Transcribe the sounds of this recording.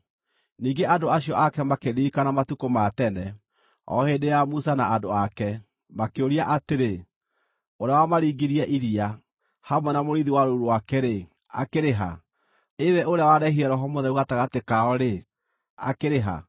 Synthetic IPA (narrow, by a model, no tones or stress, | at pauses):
niːɡeʔadoaɕiɔʔakɛmakeniːkanamatukomatɛnɛ | ɔ̰hedejamusanaadoakɛ | makeoɾiaʔateɾe | oɾeawamaɾiːɡiɾiɛʔiɾia | hamwɛnamoɾiðiwaɾoɾuwakɛɾe | a̰keɾeɦa̰ | ewɛʔoɾeawaɾɛhiɾɛɾɔɦɔmoðɛuɣataɣatekaɔɾe | a̰keɾeɦa̰